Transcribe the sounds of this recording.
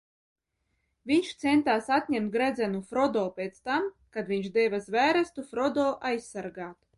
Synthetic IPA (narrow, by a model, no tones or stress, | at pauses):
vʲiɲʲʃt̪sɛnt̪aːsat̪̚ʲɲʲɛmt̪̚ɡɾæd̪zɛnufɾɔd̪ɔːpʲeːt̪st̪am | kad̪vʲiɲʲʃd̪ɛvazvæːɾɛst̪ufɾɔd̪ɔːʔajsːaɾɡaːt̪